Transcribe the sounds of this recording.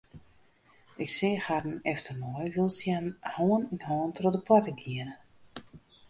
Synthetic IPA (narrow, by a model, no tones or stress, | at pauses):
ʔɪkseːxadn̩ɛftərmɔjʋɪlˠsjanhɔːəninhɔːəntrodəpwatəɡiənə